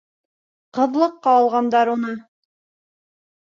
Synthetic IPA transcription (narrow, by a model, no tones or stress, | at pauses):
qɤ̆ðlˠɤqːɑːlˠʁɑnd̪ɑɾunɤ